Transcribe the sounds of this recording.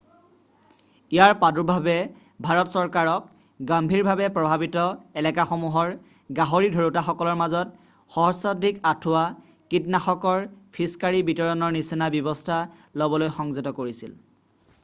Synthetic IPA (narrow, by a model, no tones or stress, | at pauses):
ijaɹpaduɹbʱabɛ | bʱaɹɔtsɔɹkaɹɔk̚ | ɡambʱiɹbʱabɛpɹɔbʱabitɔɛlɛkaxomuɦɔɹ | ɡaɦoɹidʱoɹutaxɔkɔlɔɹmazɔt̚ | xɔɦɔsadʱikatʰʊwa | kitnaxɔkɔɹpʰiskaɹibitɔɹɔnɔɹnisinabjɔbɔstʰa | lobɔlojxɔŋzɔtɔkoɹisil